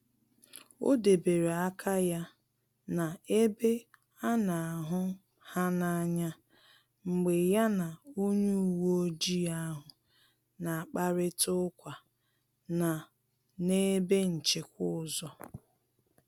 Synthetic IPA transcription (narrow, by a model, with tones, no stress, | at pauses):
o̰˦de˨be˨ɾe˨a˦kʰa˦ja˦ | na˨e˦be˦ | a˦na˨a˨ɦʊ˦ | ha˦na˨˦ɲa˦ | ŋ͡m̩˨ɡ͡be˨ja˦na˨o˦ɲu˦u˨wo˦o˦d͡ʒi˦a˦ɦʊ˨ | na˨a˨k͡pa˦ɾɪ˦tʊ˦kʷa˨ | na˨ | ne˦be˦n̩˨t͡ʃɪ˨kʷʊ˦ʊ˨zɔ˦